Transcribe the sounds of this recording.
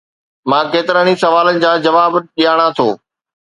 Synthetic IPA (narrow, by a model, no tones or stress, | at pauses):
mãːkeːt̪ɪɾənisɐʋaːlənɪ̆d͡ʑãːd͡ʑɐʋaːbɗijaːɽ̃at̪ʰoː